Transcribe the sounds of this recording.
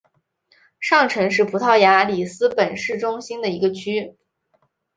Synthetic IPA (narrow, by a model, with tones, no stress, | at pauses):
ʂɑ˥˩ŋʈ͡ʂʰɤ˧˥ŋʂ̬ɻ̩˥˩pʰu˧˥t̪ʰɑ˥˩ʊja˧˥li˨˩sɹ̩˥pə˨˩nʂɻ̩˥˩ʈ͡ʂʊ˥ŋɕi˥nd̪ə˨i˧˥ɡə˧t͡ɕʰy˥